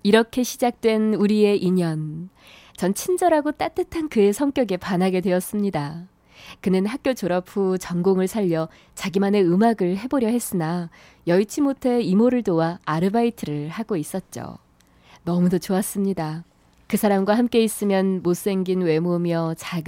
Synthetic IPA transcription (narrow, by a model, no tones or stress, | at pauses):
iɾʌkʰe̞ɕʰid͡ʑak̚t͈we̞nuɾie̞ʔiɲʌn | t͡ɕʌnt͡ɕʰind͡ʑʌɾaɡot͈at͈ɯtʰankɯe̞sʰʌŋk͈jʌɡe̞panaɡe̞dwe̞ʌs͈ɯmɲida | kɯnɯnhak̚k͈jot͡ɕoɾapʰut͡ɕʌŋɡoŋɯɭsʰaʎːʌ | t͡ɕaɡimane̞ɯmaɡɯɭɦe̞boɾjʌɦe̞s͈ɯna | jʌit͡ɕʰimotʰeimoɾɯɭtowaːɾɯbaitʰɯɾɯɭhaɡois͈ʌt̚t͡ɕ͈o̰ | nʌmudʌt͡ɕoas͈ɯmɲida | kɯsʰaɾamɡwaɦamk͈e̞is͈ɯmjʌnmos͈e̞ŋɡinwe̞momjʌt͡ɕaɡ